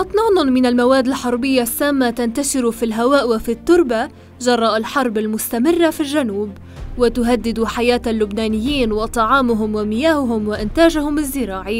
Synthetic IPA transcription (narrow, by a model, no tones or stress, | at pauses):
ʔɑt̪ˤnɑːnʊmɪnalmawaːd̪ːalħɑɾˤbɪjːasːaːmːat̪ant̪aʃɪɾfilɦawaːʔwafit̪ːʊɾˤba | ʒɑrˤːɑːʔalħɑɾˤbalmʊst̪amɪrːafilʒanuːb | wat̪ʊɦad̪ːɪd̪uħajaːt̪alːʊbnaːnɪjːiːnwɑt̪ˤɑʕɑːmʊɦʊmwamɪjaːhʊɦʊmwaʔɪnt̪aːʒʊhʊmɪzːɪɾɑːʕi